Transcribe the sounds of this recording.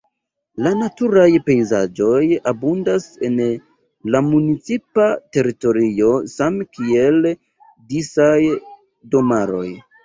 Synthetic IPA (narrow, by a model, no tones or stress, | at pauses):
lanatuɾajpe̞jza̰d͡ʒo̞jabundase̞n | lamunit͡sipate̞ɾito̞ɾio̞samkie̞l | disaj | do̞maɾo̞̰j